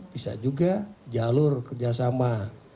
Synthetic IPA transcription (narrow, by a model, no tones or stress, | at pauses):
bisa̰d͡ʒuɡad͡ʒalurkərd͡ʒas̬ama